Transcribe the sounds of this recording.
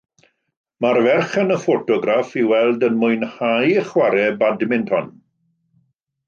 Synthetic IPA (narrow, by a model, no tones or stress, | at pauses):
marvɛrχənəfotɔɡɾafiwɛlˠdənmʊɨnhajəχwaɾɛbadmɪntʰhɔn